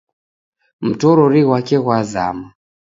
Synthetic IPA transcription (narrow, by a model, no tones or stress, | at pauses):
m̩tɔɾɔɾiɣwakɛɣwaza̰ma